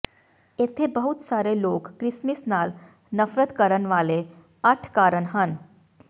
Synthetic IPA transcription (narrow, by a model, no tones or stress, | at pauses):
et̪ʰebəɦut̪saɾelokːɾismisnal | nəfɾət̪kəɾənʋale | əʈʰkaɾəɳɦan